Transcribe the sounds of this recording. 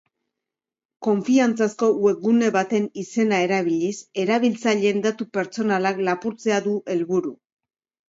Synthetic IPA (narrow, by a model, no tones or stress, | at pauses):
ko̞ɱfiant͡sasko̞wekɡune̞βat̪e̞nise̞nae̞ɾaβ̞iʎise̞ɾaβ̞ilt͡saʎe̞nd̪at̪upe̞ɾt͡so̞nalaklapuɾt͡se̞aðuʔe̞lβuɾu